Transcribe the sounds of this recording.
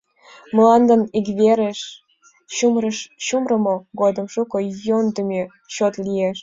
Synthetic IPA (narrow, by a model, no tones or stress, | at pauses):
məlɑnd̪ənikβeɾeʃ | ɕumrəʃɕumrə̆moɡod̪ə̆mʃukojond̪əmʲe | ɕot̪lieʃ